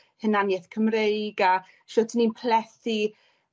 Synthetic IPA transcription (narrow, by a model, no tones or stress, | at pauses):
hənanjɛθkʰəmrejɡa | ʃɔːtʰəninpʰlɛθi